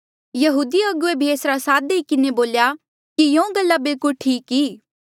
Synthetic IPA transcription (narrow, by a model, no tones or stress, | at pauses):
jɐɦuːd̪iɐɡʊebʱieːsɾasaːd̪eikɪneboːlja | kijõːɡɐlːabɪlkʊʈʰiːkiː